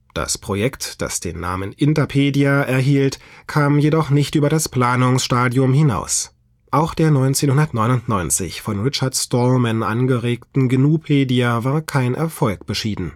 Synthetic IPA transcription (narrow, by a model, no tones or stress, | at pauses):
d̥a̰spʁ̥ojɛktd̥a̰sd̥ḛːnːa̰ːmənʔɪntɐpʰeːdiaʔɛɐɦiːltkʰaːmjedɔχnɪçtʔyːbɐɾaspl̥aːnʊŋsʃtaːdjʊmhɪna̰ʊs | ʔaʊxd̥eːɐnɔʏnt͡seːnhʊndɐtnɔʏnʊntnɔʏnt͡sɪ̰çfɔnʁɪt͡ʃɐɐtstɔmɛnʔa̰nɡəʁeːktn̩ɡənuːpʰeːdiavaːɐkʰaɪnʔɛ̰ɐfɔlkb̥əʃiːdn̩